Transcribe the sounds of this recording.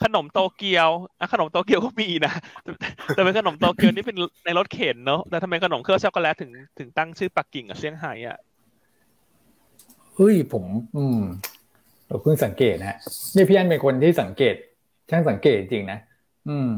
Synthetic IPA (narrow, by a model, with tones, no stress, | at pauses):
kʰa˧no˨˩˦mt̪oː˧ki˧əwʔa˧˩kʰa˧no˩˦mt̪oː˧ki˧əwkɔː˥˩miː˧˩˨na˦˥˨ | ɛː˨˩pe˧nkʰa˧no˨˩˦mt̪oː˧ki˧əwniː˥˩pe˧nna˧jlo˦˥t̪̚kʰeː˩˦nːɔ˦˥t̪ɛː˨˩t̪ʰa˧ma˧jkʰa˧no˨˩˦kʰɯ˥˩ət͡ɕʰa˦˥wkɔ˥˧lɛː˦˥wt̪ʰɯ˨˩˦ŋt̪ʰɯ˨˩˦ŋt̪a˥˩ŋt͡ɕʰɯː˥˩pa˨˩kːi˨˩ŋa̰˨˩si˥˩əŋɦa̰ː˩˦jʔa̰˨˩ʔ | ʔɤ˧˥˩jpʰo˩˦mʔɯː˧m | ɾa˨˩˦pʰɯ˥˩ŋsa˩˦ŋkeː˨˩t̪̚ha˦˥ʔni˥˩pʰi˦˥ja˦˥npe˧nkʰo˧nt̪ʰiː˥˩sa˨˩˦ŋkeː˨˩t̪̚ | kʰa˦˥˩sa˩˦ŋkeː˨˩t̪̚hi˧ŋt͡ɕi˧ŋna˦˥ | ʔɯː˧˩m